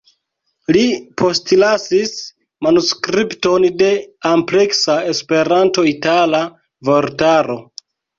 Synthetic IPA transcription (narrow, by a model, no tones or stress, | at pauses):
lipʰo̞stlasis | manuskɾipto̞nde̞ample̞ksae̞spe̞ɾanto̞itala | vo̞ɾtaɾo̞